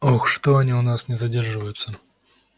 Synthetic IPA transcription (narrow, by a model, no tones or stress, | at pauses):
oxʂt̪oɐnʲiʊnasnʲɪzɐdʲe̞rʐɨvəjʊt̪sə